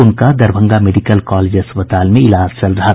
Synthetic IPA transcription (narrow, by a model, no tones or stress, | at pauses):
ʊnkad̪ɐɾbʱə̃ŋɡameɖikəlkaːleːd͡ʒɦɐspət̪aːlmẽɪlaːd͡ʒt͡ʃɐlɾɐɦa